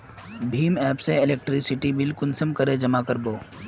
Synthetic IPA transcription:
bʱiːmɛːpseɪleːk̚ʈɾɪksɪʈibɪlkʊnsəmkəɾed͡ʒɐmakəɾboː

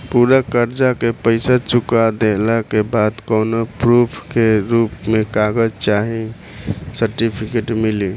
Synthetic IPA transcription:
puɾakəɾd͡ʒakepəɪsat͡ʃukad̪elakebad̪kɔnopɾupʰkeɾupmekaɡəd͡ʒt͡ʃaɦi | səɾʈipʰikeʈmili

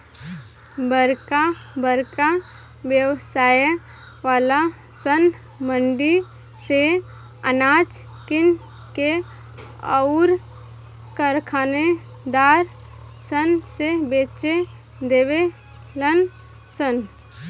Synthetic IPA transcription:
bəɾkabəɾka | ʋjəwsaːj | ʋaːla | sən | məɳɖi | se | ənaːt͡ʃ | kɪn | ke | əʊɾ | kəɾkʰaːne | d̪aːɾ | sənsebeːt͡ʃe | d̪eːwe | lən | sən

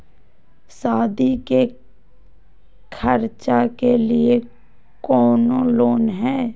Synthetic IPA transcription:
saːd̪ike | kʰəɾt͡ʃakelie | kɔːnoloːnɦɛː

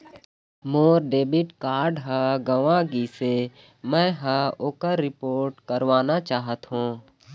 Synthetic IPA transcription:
moːɾɖeːbɪʈkaːɾɖɦəɡəʋaɡise | mɛ̃ɦəoːkəɾːɪpoːɾʈkəɾʋaːnat͡ʃaːɦət̪ɦũː

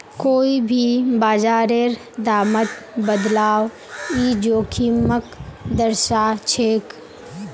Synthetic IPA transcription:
koːibʱibaːd͡ʒaːɾeɾ | d̪aːmət̪bəd̪laːw | id͡ʒoːkʰiməkd̪əɾʃat͡ʃʰeːk

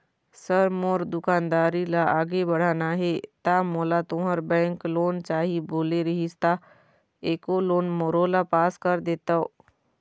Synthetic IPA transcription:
səɾmoɾd̪ʊkaːnd̪aːɾilaaːɡebəɽ̤aːnaɦet̪amoːlat̪õɦəɾbɛ̃ːŋkloːnt͡ʃaːɦiboːleɾəɦist̪a | eːkoloːnmoːɾoːlapaːskəɾd̪eːt̪ao̰ː

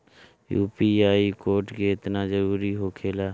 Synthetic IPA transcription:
jṵːpiːaːiːkoːɾʈɡeːɪt̪naːd͡ʒəɾuːɾiːɦoːkʰeːlaː

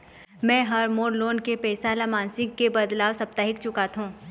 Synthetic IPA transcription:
mɛ̃ːɦɐɾmoːɾloːnkepɛːsalamãːnsɪ̃ŋɡkebɐd̪laːwsɐp̚t̪əɦɪkt͡ʃʊkat̪ʰɦũː

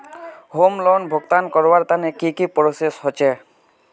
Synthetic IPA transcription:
ɦomlɔnbʱɔɡt̪ankɔɹwaɹt̪anɛkikipɹosesɦɔt͡ʃɛ

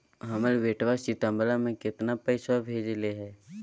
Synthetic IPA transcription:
ɦəməlʋeːʈʋasit̪ə̃mbəlamẽkɪt̪napəɪsabʱeːd͡ʒleɦɛː

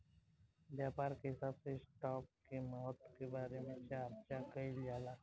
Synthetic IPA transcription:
ʋjapaɾkeɦɪsabsesʈɔːp̚kemɔɦɔt̪kebaːɾemeɕeapt͡ʃakəiljala

